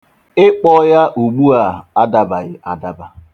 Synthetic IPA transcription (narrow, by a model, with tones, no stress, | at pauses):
ɪ˦k͡pɔ˦ja˦ʔu˨ɡ͡bu˦a˨a˦da˦ba˨ɣɪ˨ʔa˨da˦ba˨